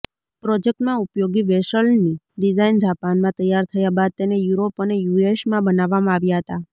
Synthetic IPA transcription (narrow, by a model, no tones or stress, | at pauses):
pɾɔd͡ʒek̚ʈmãupjoɡiʋeʃəlni | ɖizajnd͡ʒapanmãt̪əjːaɾt̪ʰəjabad̪̚t̪enejuɾopənejueʃmãbənaʋːamãaʋjaɦət̪a